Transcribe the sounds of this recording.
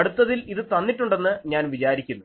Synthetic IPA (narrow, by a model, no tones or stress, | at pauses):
ɐɽut̪ːɐðiliðɨt̪ɐnːiʈːuɳɖe̞nːɨɲaːnʋit͡ɕaːɾikʲːunːu